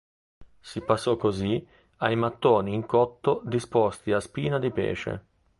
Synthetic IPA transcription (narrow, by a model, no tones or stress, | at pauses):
sipasːɔkːozi | ajmat̪ːoːniːŋkɔt̪ːod̪ispɔst̪iaspiːnad̪ipɛ̰ːt͡ʃḛ